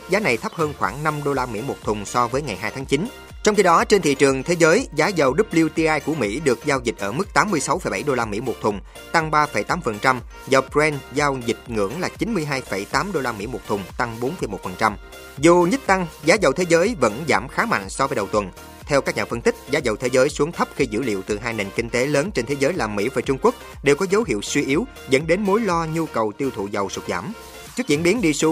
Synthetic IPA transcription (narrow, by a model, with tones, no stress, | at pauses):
zaː˨˦na˨˩jt̪ʰə˦˥p̚həː˧nxwaː˧˩ŋna˧mɗo˧laː˧mḭ˧˥mo˨˩t̚t̪ʰʊ˨˩ŋ͡msɔ˧vəː˨˦jŋa˨˩jɦaː˧jt̪ʰaː˨˦ŋt͡ɕi˨˦n | t͡ɕɔ˧wŋ͡mxi˧ɗɔ˨˦t͡ɕe˧nt̪ʰḭ˧˨t͡ɕɨ˨˩əŋt̪ʰe˨˦zəː˨˦jzaː˨˦zə˨˩wɗɨ˦˥p̚li˧wt̪i˧ʔaː˧jku˧˩əmḭ˧˥ɗɨ˨˩ək̚zaː˧wzï˨˩t̟̚ʔəː˧˩mɨ˦˥k̚t̪aː˨˦mːɨ˧əjsa˨˦wfə˧˩jɓa˧˩jɗo˧laː˧mḭ˧˥mo˨˩t̚t̪ʰʊ˨˩ŋ͡m | t̪a˧ŋɓaː˧fə˧˩jt̪aː˨˦mfə˨˩nt͡ɕa˧m | zə˨˩wpɛ˧nzaː˧wzï˨˩k̟̚ŋɨ̰˧˥əŋlaː˨˩t͡ɕi˨˦nmɨ˧əjɦaː˧jfə˧˩jt̪aː˨˦mɗo˧laː˧mḭ˧˥mo˨˩t̚t̪ʰʊ˨˩ŋ͡mt̪a˧ŋɓo˨˦nfə˨˩jmo˨˩t̚fə˨˩nt͡ɕa˧m | zu˨˩ɲə˦˥t̚t̪a˧ŋzaː˨˦zə˨˩wt̪ʰe˨˦zəː˨˦jvə̰˧˥nza̰ː˧˩mxaː˨˦ma̰˧˨jŋ̟sɔ˧vəː˨˦jɗə˨˩wt̪wə˨˩n | t̪ʰɛ˧wkaː˦˥k̚ɲa̰ː˨˩fə˧nt̪i˦˥k̟̚zaː˨˦zə˨˩wt̪ʰe˨˦zəː˨˦jsu˨˦əŋt̪ʰə˦˥p̚xi˧zɨ̰˧˥lḭ˧˨əwt̪ɨ˨˩ɦaː˧jne˨˩nkï˧ŋ̟t̪e˨˦ləː˨˦nt͡ɕe˧nt̪ʰe˨˦zəː˨˦jlaː˨˩mḭ˧˥vaː˨˩t͡ɕʊ˧ŋ͡mku˦˥ək̚ | ɗe˨˩wkɔ˨˦zə˨˦wɦḭ˧˨əwswi˧ʔi˨˦əw | zə̰˧˥nɗe˨˦nmo˨˦jlɔ˧ɲu˧kə˨˩wt̪i˧əwt̪ʰṵ˧˨zə˨˩wsʊ˨˩k͡p̚za̰ː˧˩m | t͡ɕɨ˦˥ək̚z̰i˧˥nɓi˨˦ənɗi˧su˧